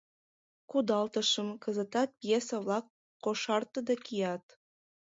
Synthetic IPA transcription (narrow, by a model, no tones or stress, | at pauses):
kud̪ɑlt̪əʃəmkəzət̪ɑt̪̚pjesəβlɑkː | oʃɑrt̪əd̪ɑkijɑt̪